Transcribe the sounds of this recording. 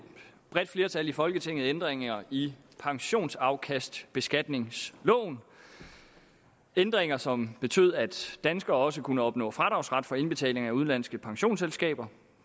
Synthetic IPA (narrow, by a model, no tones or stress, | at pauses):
b̥ʁɛd̥fle̝ːɐt͡sʰælifɒ̽lɡ̥ət͡sʰe̝ŋ̰ð̩ˠend̥ʁeŋɐi | pʰɑ̈ŋɕo̝̰ːnsɑ̈ʊkʰæsd̥b̥e̝sɡ̥æd̥ne̝ŋslɔ̰̽ːn | end̥ʁeŋɐsɒ̽mb̥e̝t͡sʰø̰ð̞̰ˠæd̥ːænsɡ̥ɐɒ̽s̬əkʰunəɒ̽b̥nɔ̰̽ːfʁɑ̈d̥ɑ̈ʊsʁɑ̈d̥fɒ̽e̝nb̥e̝t͡sʰɛ̰ːle̝ŋæuð̞ˠnlæn̰sɡ̥əpʰɑ̈ŋɕo̝̰ːnselsɡ̥ɛ̰ːb̥ɐ